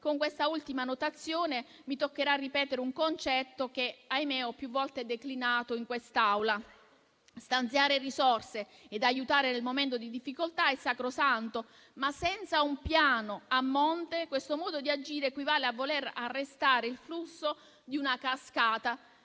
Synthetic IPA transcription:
koŋkwest̪ault̪imanot̪at̪sːjoːne | mit̪okːeɾarːipɛːt̪eɾeuŋkont͡ʃɛt̪ːok̟eajmeɔpːjuvːɔlt̪ed̪eklinaːt̪oiŋkwest̪awla | st̪ant̪sjaːɾerisɔrse | ed̪ajːut̪aːɾenelmoment̪od̪id̪ifːikolt̪aesːakɾosant̪o | masːɛnt̪saumpjaːnoamːɔnt̪ekwest̪omɔːd̪od̪iad͡ʒiːɾekwivaːleavːoleɾa̰rːest̪aːɾeilflusːo | d̪iunakaskaːt̪a

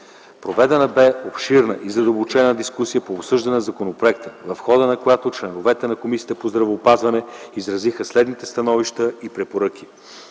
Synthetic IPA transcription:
pɾovɛd̪ɛnəbɛopʃiɾnəʔizɐd̪əlˠbot͡ʃɛnəd̪iskusijəpoːpsɤʒd̪ɐnɛnzɐkonopɾoɛkt̪əvɐfxɔd̪ənɐkojat̪ot͡ʃlɛnovɛt̪ɛnɐkomisijət̪əpozd̪ɾɐvɛːpazvɐnɛizɾɐzixəslɛd̪nit̪ɛst̪ɐnɔviʃt̪əipɾɛpoɾɤk̟i̥

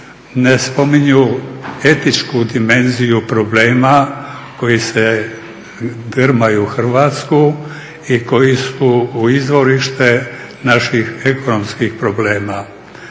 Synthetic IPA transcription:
ne̞spo̞miɲue̞t̪it͡ʃkud̪ime̞nzijupɾo̞ble̞ːmako̞jise | d̪rmajuxr̩ʋat̪sku | iko̞jisuːizʋo̞ɾiʃt̪e̞ | naʃixeko̞no̞mskixpɾo̞ble̞ːma

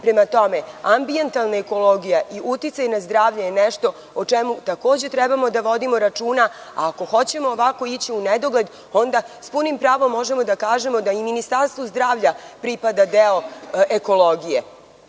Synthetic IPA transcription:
pɾe̞mat̪o̞me̞ambient̪alˠnaeko̞lo̞ɡijaʔiʔut̪it̪sajnazd̪ɾaːʋʎajeneʃt̪o̞ | ot͡ʂemut̪akoːd͡ʑe̞t̪ɾɛbamo̞d̪aʋo̞d̪imo̞ɾat͡ʃuːnaa̰ːko̞xo̞t͡ɕe̞moːʋako̞it͡ɕiuned̪o̞ɡle̞d̪ | o̞nd̪aspunimpɾaːʋo̞mːo̞ʒe̞mo̞d̪akaːʒe̞mo̞d̪aiminist̪aɾst̪ʋozd̪ɾaːʋʎapɾipad̪ad̪eo̞eko̞lˠoɡije

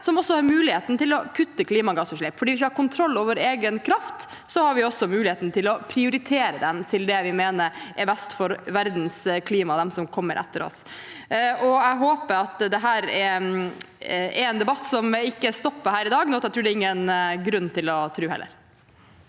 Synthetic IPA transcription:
sɔmɔsːɔhɑɾmʉːlɪheːt̪n̩t̪ɪlɔkʰʉt̪ːəkʰliːmɑɡɑːsɔʂɭɛːpːfɔɖiːʋɪçːəhɑɾkʊnt̪ʰɾɔlːoːʋəɾeːɡənkʰɾɑft̪ | sɔhɑɾʋɪɔsːɔmʉːlɪheːt̪nt̪ʰɪlɔpʰɾɪʊɾɪt̪ʰeːɾəd̪ɛnt̪ʰɪld̪ɛʋɪmeːnəɾʔɛɾbɛst̪fɔɾʋæɾd̪nskʰliːmɑd̪ɛmsɔmkʰɔmːəɾʔɛ̰t̪ːəɾɔ̰s | ɔæɪɦoːpəɾɑt̪d̪ɛɦæːɾɛ | ɛɾɛːnd̪ɛbɑt̪ːsɔmɪkːəst̪ɔpːəɾhæːɾɪd̪ɑːɡnɔːɑt̪ɛt̪ɾʉːɖɛɪŋːənɡɾʉnːt̪ʰɪlɔt̪ʰɾʉːhɛ̰lːə̰ɾ

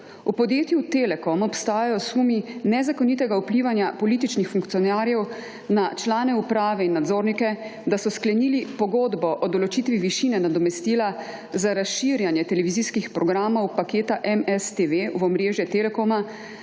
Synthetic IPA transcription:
upɔd̪jeːt̪jut̪elɛkɔmɔpst̪aːjajɔsuminɛzakɔnit̪ɛɡaupliːʋanjapɔliːt̪it͡ʃnixfuŋkt̪sijɔnaːɾjɛw | nat͡ʃlaːnɛupɾaːʋɛinːad̪zoːɾnikɛd̪asɔsklɛnilipɔɡod̪bɔʔɔd̪ɔlɔt͡ʃiːt̪ʋiʋiʃiːnɛnad̪ɔmɛst̪iːla | zaɾasʃiːɾjanjɛt̪ɛlɛʋiziːskixpɾɔɡɾaːmɔwpakeːt̪aʔɛmɛst̪eʋeuɔmɾeːʒjɛt̪elɛkoma

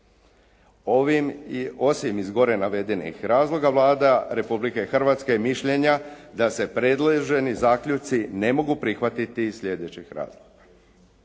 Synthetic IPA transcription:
o̞ʋimio̞simizɡo̞ɾe̞naʋe̞d̪e̞nḭxɾaːzlˠo̞ɡaʋlˠaːd̪aɾe̞publike̞xr̩ʋat̪ske̞jmiʃʎe̞ɲad̪ase̞pɾe̞d̪laʒe̞nizaːkʎut̪sine̞mo̞ɡupɾixʋat̪it̪isʎe̞d̪e̞t͡ɕixɾa̰ːzlˠoɡ̥ḁ

